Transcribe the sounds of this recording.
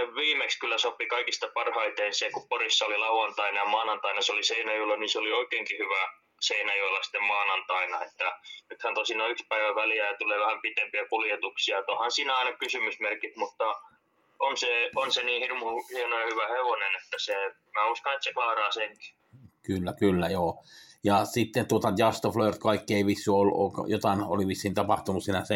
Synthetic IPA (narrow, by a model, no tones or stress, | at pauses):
eʋʋiːmekskylːæsopikɑikist̪ɑpɑrhɑit̪einsekuporisːɑolilɑuɑnt̪ɑinɑjɑmɑːnɑnt̪ɑinɑseoliseinæjulːɑniseolioikeːŋkihyʋæ | seinæjulːɑsi̥t̪ːemmɑːnɑnt̪ɑinɑet̪ːænyt̪hænt̪osinɑykspæiʋæʋæljæjɑt̪uleːʋæhæmpit̪empiækuljet̪uksiɑet̪ohɑnsiːnæɑinɑkysymysmerkit̪mut̪ːɑ | onseonseniːhirmuhienoehyʋæheʋonenet̪ːæse | mæːuskɑnet̪seklɑːrɑːseŋki̥ | kylːækylːæjoːjɑsit̪ːent̪uot̪ɑdjɑst̪ofloert̪kɑikːieiʋisːuolːuʔo̰kɑ̰jot̪ɑˑino̰liʋisːiːnt̪ɑpɑht̪unussiːnæse